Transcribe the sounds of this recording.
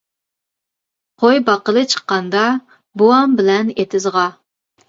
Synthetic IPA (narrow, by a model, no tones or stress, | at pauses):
qʰojbɑqəlˠɨt͡ʃʰə̥qːɑnd̪ɑ | buɑmbɪlɛnet̪ʰɪzʁɑ